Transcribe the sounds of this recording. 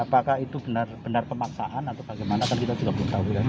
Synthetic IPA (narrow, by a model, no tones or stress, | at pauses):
apakahit̪ubənarb̥ənarpəmaksa̰ʔanat̪awb̥aɡajmanakankit̪ad͡ʒuɡaʔbəlut̪auja